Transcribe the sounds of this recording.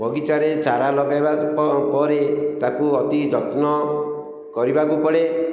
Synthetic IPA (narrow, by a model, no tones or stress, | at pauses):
bʱɔɡit̪aɾet͡ʃaɾalɔɡajbappɔɾet̪akuɔt̪id͡ʒɔt̪nɔ | kɔɾibakupɔɽe